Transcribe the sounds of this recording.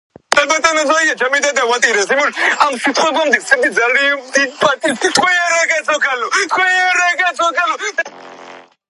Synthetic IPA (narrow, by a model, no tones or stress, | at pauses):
d̪abɛt̪ʼamɛzaiat͡ʃʰamid̪ɛd̪awat̪ʼiɾɛsimuʃamsit̪ʰχwɛbamd̪isʰʼɛmd̪id̪zaliad̪id̪pʼat̪ʼist̪kʰwɛaɾɛkɛsʰɔkʰalɔt̪kʰwɛaɾɛkɛsɔkʰalɔ